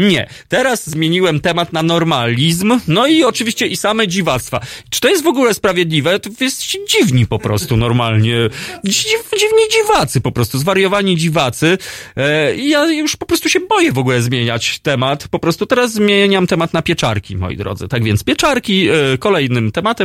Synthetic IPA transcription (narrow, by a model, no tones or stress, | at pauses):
ɲɛ̰t̪ɛɾazzmʲjeɲiwɛmt̪ɛmat̪nanɔɾmalʲizmnɔiɔt͡ʂɨvʲiɕt͡ɕɛʔisamɛd͡ʑivat̪st̪fa̰t͡ʂɨ̥t̪ɔjɛst̪vɔɡulɛspɾavʲjed̪lʲivɛt̪ɔvjɛst̪ɛ̥t͡ɕɛd͡ʑivɲipɔpɾɔst̪unɔɾmalɲɛ | ivd͡ʑivɲid͡ʑivat̪sɘpɔpɾɔst̪uzvaɾjɔvaɲid͡ʑivat̪sɘ | ijajuʂpɔpɾɔst̪uɕɛbɔjɛvɔɡulɛzmʲjeɲat͡ɕt̪ɛmat̪pɔpɾɔst̪ut̪ɛɾazːmʲjeɲamt̪ɛmat̪napʲjɛt͡ʂa̰ɾkʲḭmɔ̰jḭd̪ɾɔ̰d̪zɨ̰t̪aɡvʲjɛnt̪spʲjɛt͡ʂaɾkʲikɔlɛjnɘmt̪ɛmat̪ɛm